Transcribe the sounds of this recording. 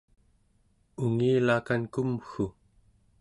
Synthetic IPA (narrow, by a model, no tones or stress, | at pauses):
uŋiːlaːkankumxu